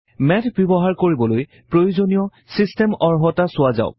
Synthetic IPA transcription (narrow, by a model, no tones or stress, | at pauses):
mɛtʰbibɔɦaɹkoɹibɔloj | pɹojuzonijɔ | sistɛmɔɹɦɔtasʊaza̰ʊ